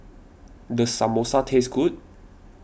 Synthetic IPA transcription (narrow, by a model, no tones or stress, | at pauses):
d̪əsamosatʰesɡut̚